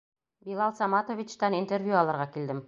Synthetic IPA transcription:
bilˠɑlˠsɑmɑt̪ovʲit͡ɕt̪ɑnint̪ervʲjuɑlˠɤ̆ɾʁɑkild̪ɘm

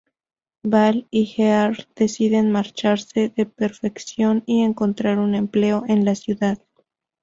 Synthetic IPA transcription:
balixeaɾð̥e̞siðe̞nmaɾt͡ʃaɾse̞ðe̞pe̞ɾfe̞ksjo̞nie̞ŋko̞nt̪ɾaɾune̞mple̞oʔe̞nlasjuðað

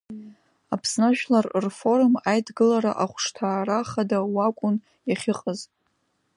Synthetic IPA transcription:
apʰsnaʒᶣlarrfo̞rmajdɡɨlaɾaʔaχʷʂtʰaːraχadawakʷʼʊn | jaχʲɪqʼəz

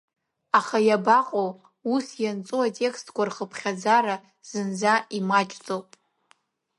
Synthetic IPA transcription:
aχajabaqʼow | usjant͡sʼuatʼe̞kʰstʰkʷarχəpʰχʲad͡zaɾa | z̥ɨnd͡zaimat͡ʃʼt͡sʼowpʼ

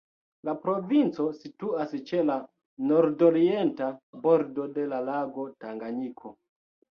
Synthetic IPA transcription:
lapɾovint͡so̞situast͡ʃe̞la | noɾdoɾientaboɾdode̞lalaɡo̞taŋɡanikʰo

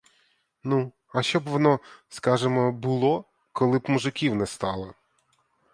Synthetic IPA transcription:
nu | ɐʃt͡ʃɔbʋɔnɔskɑʒɪmɔbʊlˠɔ | kɔlˠɪbmuʒɪkʲiwnɛst̪ɑlˠɐ

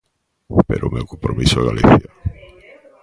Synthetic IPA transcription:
pḛɾomewkompɾomisoaɣaliθja

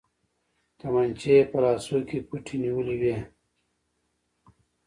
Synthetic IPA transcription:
t̪ɐmɐnt͡ɕepɐlaːsokipuʈʰiniwuliwe

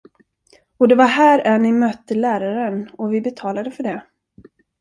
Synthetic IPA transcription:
ɔd̪ɛvaɾɦæːɾænɪmœt̪ːəlæːɾaɾənɔvɪbɛt̪ʰɑːlad̪əfœɖɛ

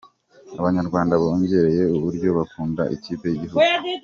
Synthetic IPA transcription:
aβaɲaɾɡwaːndaβaoɲɟe̞ɾe̞je̞uβuɾɟo̞βakuːnda̰ʔḭciːpe̞jiɟiɦuɡ

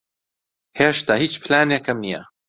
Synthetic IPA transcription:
heːʃt̪ahiːt͡ʃpʰlaːnekɐmnijɐ̰

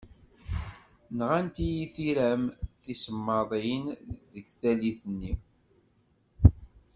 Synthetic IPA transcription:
nʁænt̪ijiθiɾæmθisəmːɑðˤinðəɡθæliθənːi

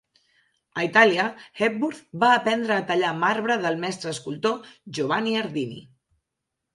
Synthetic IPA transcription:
əit̪aliəɛp̚buɾθbaːpɛnd̪ɾəːt̪əʎamaɾβɾəðəlˠmɛst̪ɾəːskulˠt̪oʒoβaniəɾðinḭ

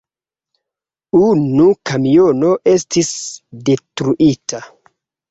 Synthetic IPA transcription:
unukamijono̞ʔe̞stisde̞tɾuʔitʰa

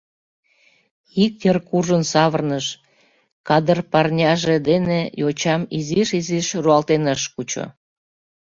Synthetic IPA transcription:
ik̚jərkuʒənsɑβərnəʃ | kɑd̪ərpɑrnʲɑʒed̪enejot͡ɕɑmiziʃiziʃruɑlt̪enəʃkut͡ɕo̰

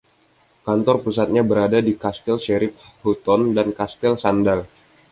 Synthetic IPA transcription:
kant̪ɔrpusat̪̚ɲabəɾadadikast̪ɛlʃeɾɪp̚hut̪ɔndankast̪ɛlsandal

